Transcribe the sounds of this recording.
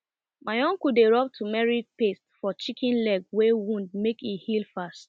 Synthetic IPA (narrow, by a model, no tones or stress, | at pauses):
maɪɔ̃ŋkudeɹɔp̚tʰumɛɹipestfɔt͡ʃikʰĩnlɛɡ̚wewũnd̚mekihilfast